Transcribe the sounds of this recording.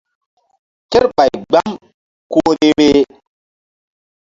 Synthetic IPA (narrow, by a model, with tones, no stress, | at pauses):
ke˦ɾɓa˨jɡ͡ba˦m | ko˦ɾe˦ɾe˦